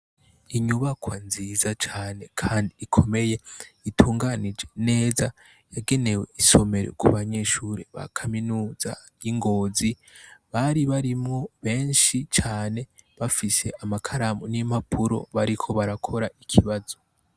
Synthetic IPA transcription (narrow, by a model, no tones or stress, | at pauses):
iɲuβakwanziːzat͡ʃaːne̞kʰaːndiːkʰo̞me̞je̞itʰuːŋɡanid͡ʒe̞ne̞ːza | jaɡe̞ne̞we̞̰iso̞me̞ɾḛkṵβaɲe̞ʃuɾeβa̰kʰaminuːza̰ | jiŋɡo̞ːzi | βaɾiβaɾimŋo̞βe̞ːnʃit͡ʃaːne̞βafise̞ʔamakʰaɾamonimapʰuɾo̞̰βaɾikʰo̞βaɾakʰo̞ɾaikʰiβazo̞